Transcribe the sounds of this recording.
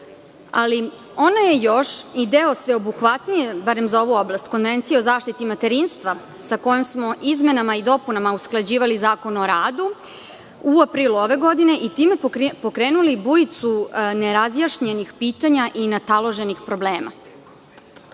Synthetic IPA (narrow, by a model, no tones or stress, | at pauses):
a̰li | o̞naje̞joʃid̪eosʋe̞o̞buxʋat̪nijebaɾe̞mzao̞ʋuo̞blˠast̪ko̞nʋe̞nt̪sijeo̞zaːʃt̪it̪imat̪eɾinst̪ʋa | sako̞jomsmo̞ʔizme̞namaid̪o̞punamausklˠad͡ʑiːʋalizaːko̞noɾaːd̪u | uapɾiluo̞ʋe̞ɡo̞d̪ine̞ʔit̪iːme̞po̞kɾeːnulibujit̪suneɾazjaʃɲe̞nixpiːt̪aɲaʔinat̪alˠo̞ʒe̞nixpɾo̞bleːma̰